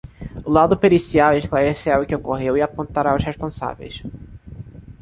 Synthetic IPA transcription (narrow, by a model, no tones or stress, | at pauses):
ʊlad̪ʊpeɾisiaweʃklaɾeseɾawʊkɪokoɦewɪapõnt̪aɾaʊsheʃpõsa̰vḛjs